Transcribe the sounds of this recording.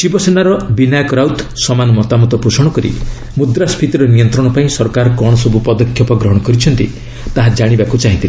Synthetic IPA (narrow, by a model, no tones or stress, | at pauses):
t͡ʃibɔsenaɾɔbinajɔkɾawt̪sɔmanɔmɔt̪amɔt̪ɔpusɔɽ̃ɔkɔɾḭ | mud̪ɾaspʰit̪iɾɔnijɔnt̪ɾɔɽ̃ɔpaĩsɔɾkaɾɔkɔɽ̃ɔsɔbupɔd̪ɔkʰjɔpɔɡɾɔɦɔɽ̃ɔkɔɾit͡ʃʰɔnt̪ḭ | t̪aɦad͡ʒaɽ̃ibakut͡ʃaɦĩnt̪il